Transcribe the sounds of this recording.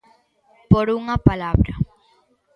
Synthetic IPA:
poɾuŋɐpalabɾa

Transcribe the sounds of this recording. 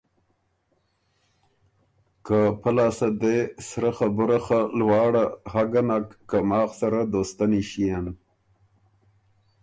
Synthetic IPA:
kapalaːsad̪esɾaxabʊɾaxalwɑːɽahaɡanakːamɑːxsaɾad̪oːst̪aniʃijan

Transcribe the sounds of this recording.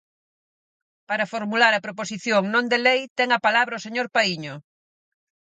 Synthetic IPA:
paɾɐfoɾmulaɾɐpɾoposiθjoŋnõnd̪elejt̪ɛŋɐpalaβɾɐoseɲoɾpaiɲʊ

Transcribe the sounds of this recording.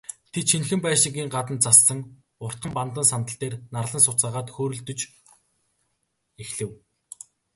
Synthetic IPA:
t̪ʰet̪ʃinxɘ̆mpæːʃĭɡiːŋɢat̪ə̆nt͡sasːə̆ŋ | ʊr̥t̪χə̆mpant̪ə̆nsant̪ə̆ɬt̪eːrnarɮə̆nsʊt͡saːʁaːt̪xoːɾɵ̆ɮt̪ɵ̆t͡ɕ | exɮɘ̆w

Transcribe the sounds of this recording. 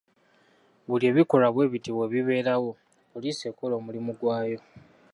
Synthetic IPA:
βulie̞ːβiko̞laβwe̞ːβitiβwe̞βiβe̞ːɾawo̞ | oliseːkolo̞ːmulimuɡwaːjo̞

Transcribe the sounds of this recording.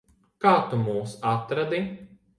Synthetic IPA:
kaːt̪umuːsat̪ɾad̪i

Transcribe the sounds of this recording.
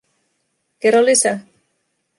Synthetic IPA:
keɾolisa

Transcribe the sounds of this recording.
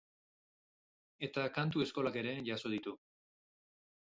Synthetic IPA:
e̞t̪akant̪ue̞sko̞lake̞ɾe̞ʝaso̞ð̞it̪u

